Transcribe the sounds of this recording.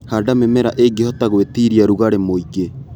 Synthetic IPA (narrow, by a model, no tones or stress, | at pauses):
hadamemeɾaʔeɡehɔtaɣwetiɾiaɾuɣaɾemoiɣe